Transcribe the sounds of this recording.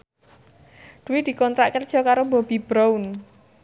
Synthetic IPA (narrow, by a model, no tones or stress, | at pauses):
d̪̥uwid̪̥i̤kɔnt̪ɾaʔkərd̥ʒ̥ɔ̤kaɾobɔb̥i̤b̥ɾawn